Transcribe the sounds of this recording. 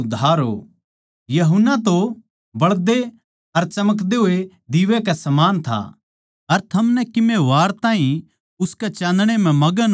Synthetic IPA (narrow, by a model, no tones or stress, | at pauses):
ʊd̪ʱaːɾɦo̰ | jɐɦʊnːat̪o | bɐɭd̪e | ɐɾt͡ʃɐmək̬d̪eɦʊe | d̪ɪʋɛkɛsɐmaːnt̪ʰa̰ | ɐɾt̪ʰɐmnɛkɪmeʋaːɾt̪ãːɦĩ | ʊskɛt͡ʃãːnd̪ɽ̃em̤ɛ̃mɐɡən